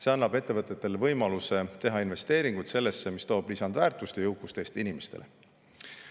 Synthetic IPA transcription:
se̞ɑnːɑbe̞t̪ːe̞vɤt̪ːˑet̪ːˑe̞levɤjmɑluse̞t̪e̞ɦɑinve̞st̪eːɾiŋɡ̥ut̪se̞lːe̞sːe̞mist̪o̞ːb̥lisɑnd̪̥væːrt̪ˑust̪ejɤwkːˑust̪eːst̪inimest̪e̞le̞̰

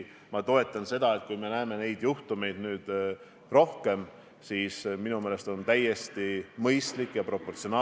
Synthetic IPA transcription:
mɑt̪o̞e̞t̪ˑːɑnse̞d̪ɑet̪̚ˑkujme̞næeme̞ne̞jd̪̥juht̪ume̞jd̪̥nyːd̪̥ | ro̞hke̞m | siːsminumeːle̞st̪o̞nt̪æjːe̞st̪imɤjst̪likːˑjɑpro̞pːˑo̞rt̪sio̞nɑː

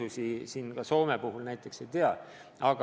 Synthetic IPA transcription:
usisiːnkɑso̞ːmepuɦulnæjt̪ːˑe̞kse̞jt̪e̞ɑ | ʔɑɡ

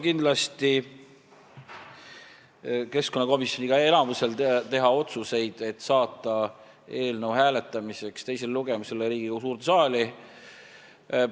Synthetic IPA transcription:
kind̪̥lɑst̪i | ke̞sko̞nːɑko̞misjo̞niɡ̥ɑe̞lɑmuse̞lt̪e̞ɦɑo̞t̪suse̞jd̪̥e̞t̪ːˑsɑːt̪ːˑɑ | e̞ːlnəwɦæːle̞t̪ːˑɑmise̞kst̪e̞js̬elluɡ̥e̞muselːeɾiːɡ̥ikusuːɾt̪sɑːli

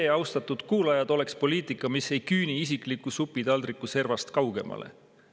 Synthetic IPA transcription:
eɑwst̪ɑt̪ˑud̪̥kuːlɑjɑd̪̥o̞lekspo̞liːt̪ˑikːˑɑmise̞jkyːniis̬ikˑlikusupːˑid̪̥ɑld̪rikːˑuse̞rvɑst̪kɑwɡ̥e̞̰mʔɑ̰lʔe̞̰

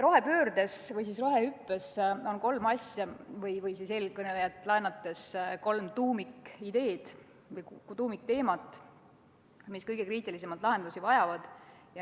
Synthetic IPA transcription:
ro̞ɦe̞pø̞ːɾd̪̥e̞svɤjs̬is̬ro̞ɦe̞ypˑːe̞so̞nko̞lmɑsʲjɑvɤjvɤjsise̞ːlkɤne̞lejɑt̪ːˑlɑenɑt̪ːˑe̞sko̞lmt̪uːmikid̪̥e̞ːd̪̥ | vɤjkt̪uːmik̚t̪e̞ːmɑt̪ːˑ | miskɤjɡ̥e̞kriːt̪ˑilisemɑlt̪lɑɦend̪̥lusivɑjɑvɑd̪̥jɑ

